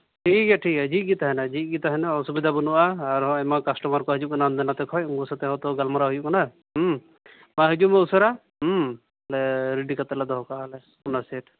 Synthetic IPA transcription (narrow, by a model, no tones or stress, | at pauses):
ʈʰikɛʈʰikɛd͡ʒiˀɡit̪aɦɛnad͡ʒiˀɡit̪aɦɛnaɔsubid̪ʱabɔnuʔaːɾɔɛmakasʈɔmaɾkɔɦɛd͡ʒuʔ̚kanand̪ɛnat̪ɛkʰɔjuŋɡusat̪ɛɦɔ̃t̪ɔɡalmaɾaɦujuʔkana | ɦ | maɦid͡ʒumɛusɔɾa | ɛlɛɾiɖikat̪ɛlad̪ɔɦɔkaalɛ | unaseʈ